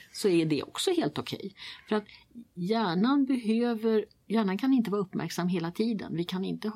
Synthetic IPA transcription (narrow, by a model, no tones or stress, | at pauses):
sɔæɖɛ̰ʔɔ̰ksɔheːlt̪ʊkʰɛ̰jfœɾat̪jæːɳanbɛɦøːvəɾ | jæːɳankʰanɪnt̪əvːɾɵpːmæ̰ɾksamːɦeːlat̪ʰiːd̪ə̰nvɪkʰanɪ̰nt̪ə